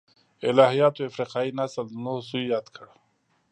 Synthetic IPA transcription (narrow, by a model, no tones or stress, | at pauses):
ɪ̰lɑːɦijɑːt̪oafɾiqɑːinasəlnosujɑːd̪kʰəɽ